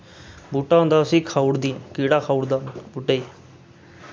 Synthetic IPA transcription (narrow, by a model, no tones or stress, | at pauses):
buːʈaːɦõnd̪aːʊsĩːkʰaːuɽd̪iːkiːɽaːkʰaːuɽd̪aːbuʈeiː